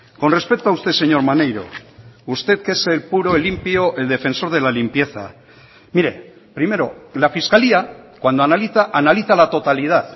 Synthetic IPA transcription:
ko̞nre̞spe̞k̚t̪oaust̪e̞se̞ɲo̞ɾmane̞jɾo̞̰ust̪e̞ðke̞se̞lpuɾo̞elimpjoʔeld̪e̞fe̞nso̞ɾð̞e̞lalimpje̞θa̰ | miɾe̞̰ | pɾime̞ɾo̞lafiskaliakwand̪oanaliθaʔanaliθalat̪o̞t̪alið̞að

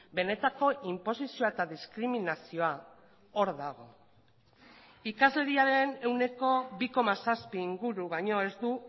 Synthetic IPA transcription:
be̞ne̞t̪ako̞ʔimpo̞sisio̞aet̪aðiskɾiminasio̞a | oɾðaɣ̞o̞ | ikazle̞ɾiaɾe̞ne̞wne̞ko̞βiko̞masaspiːŋɡuɾuβajɲo̞e̞zd̪u

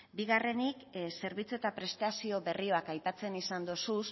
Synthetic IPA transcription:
biɣ̞are̞nikse̞ɾβit͡sue̞t̪apɾe̞st̪asio̞βe̞rio̞akajpat͡se̞nisand̪osus

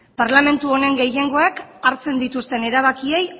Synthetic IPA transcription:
paɾlame̞nt̪uo̞ne̞ŋɡe̞je̞ŋɡo̞akaɾt͡se̞nd̪it̪ust̪e̞ne̞ɾaβ̞akie̞j

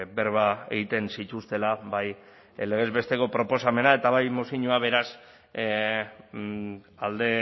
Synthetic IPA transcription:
be̞ɾβae̞̰ɣ̞it̪e̞nsit̪ust̪e̞laβaj | le̞e̞zβe̞st̪e̞ko̞pɾo̞po̞same̞nae̞t̪aβajmosiɲoaβ̞e̞ɾas | ald̪e̞

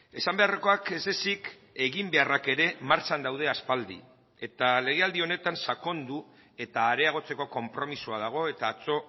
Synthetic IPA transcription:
e̞sambe̞areko̞ake̞ze̞sik | e̞ɣimbe̞arake̞ɾe̞maɾt͡ʃand̪awðe̞aspald̪ḭ | e̞t̪ale̞ɣ̞e̞ald̪io̞ne̞t̪ansako̞nd̪u | e̞t̪aːɾe̞aɣ̞o̞t͡se̞ko̞ko̞mpɾo̞misuaðaɣ̞o̞e̞t̪aːt͡so̞

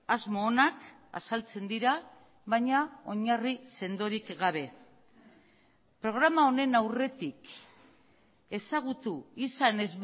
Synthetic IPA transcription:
azmo̞ːnaka̰salt͡se̞nd̪iɾa | βaɲao̞ɲarise̞nd̪o̞ɾikɡaβ̞e̞ | pɾo̞ɣ̞ɾamaone̞nawre̞t̪ik | e̞saɣ̞ut̪uisane̞zβ

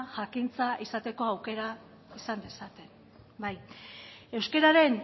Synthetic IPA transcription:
ʝakint͡saisat̪e̞ko̞awke̞ɾa | isand̪e̞sat̪e̞n | baj | e̞wske̞ɾaɾe̞n

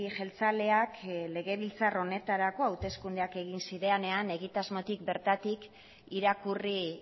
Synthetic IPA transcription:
iʝe̞lt͡sale̞akle̞ɣe̞βilt͡saro̞ne̞t̪aɾako̞awt̪e̞skund̪e̞ake̞ɣ̞insiɾe̞ane̞ane̞ɣit̪azmo̞t̪ik̚be̞ɾt̪at̪ik | iɾakuri

